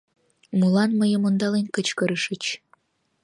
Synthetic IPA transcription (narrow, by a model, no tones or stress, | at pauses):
mulɑnməjə̆mond̪ɑlenkət͡ɕkəɾəʃə̆t͡ɕ